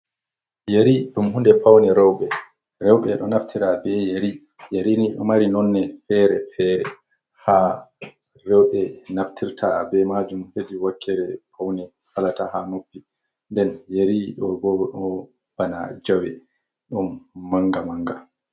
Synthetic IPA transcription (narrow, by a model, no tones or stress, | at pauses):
jeɾiɗumhundɛpawnɛɾɛwɓɛ | ɾɛwɓɛɗɔnaftʰiɾabɛjeɾi | jaɾiniɗɔ̰maɾinɔnːɛfɛɾɛfɛːɾɛ | ha | rɛwɓɛnaftʰiɾtʰabɛmad͡ʒumhediwakʰːɛɾɛpʰawnɛ | halatahanopːi | ndɛnjeɾiɗɔɡɔɔɗɔɔ | b̥ana̰d͡ʒawɛ | ɗumːaŋɡamaŋɡa